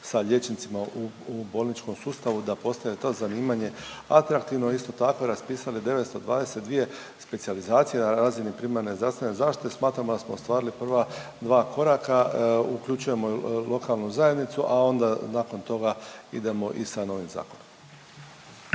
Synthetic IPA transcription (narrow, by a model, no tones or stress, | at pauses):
saʎe̞t͡ʃnit̪simauubo̞ːlnit͡ʃko̞msuːst̪aʋud̪apo̞st̪ajet̪o̞ːzaniːmaɲe̞ | a̰t̪ɾakt̪iʋnoist̪o̞t̪ako̞ɾaspiːsalid̪e̞ʋe̞t̪st̪o̞d̪ʋa̰ːd̪e̞set̪d̪ʋije̞ | spe̞t̪sializaːt̪sije̞naɾaːzinipɾimaɾne̞zd̪ɾast̪ʋe̞ne̞zaːʃt̪i̥t̪e̞smaːt̪ɾamod̪asmo̞ost̪ʋaːɾilipr̩ʋa | d̪ʋaːkʰo̞ɾakaukʎut͡ʃuje̞molo̞kalˠnuzaje̞d̪nit̪suʔao̞nd̪anaːko̞nt̪o̞ɡaḭd̪e̞mo̞ʔisano̞ʋimza̰ːkonom